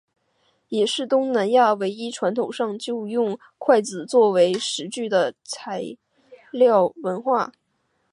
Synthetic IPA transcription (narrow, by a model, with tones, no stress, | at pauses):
jɛ˨˩ʂɻ̩˥˩t̪ʊ˥ŋna˧˥nja˥˩we˧˥ɪi˥ʈ͡ʂʰwa˧˥nt̪ʰo˨˩ʊʂɑ˥˧ŋt͡ɕjo˥˧ʊjʊ˥˧ŋ | kʰwa˥˩ɪt͡sɹ̩˨˩t͡swɔ˥˩we˧˥ɪʂɻ̩˧˥t͡ɕy˥˩d̪ə˩t͡sʰa˧˥ɪ | ljɑ˥˩ʊwə˧˥nxwa˥˩